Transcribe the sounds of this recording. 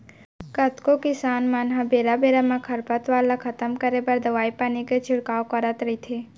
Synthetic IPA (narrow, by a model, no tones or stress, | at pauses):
kət̪kokɪsaːnmanɦãbeɾabeɾamãkʰəɾpət̪ʋaːlakʰət̪əmkəɾebəɾd̪əʋaːipaniket͡ʃʰɪɽkaːokəɾət̪ɾəit̪ʰe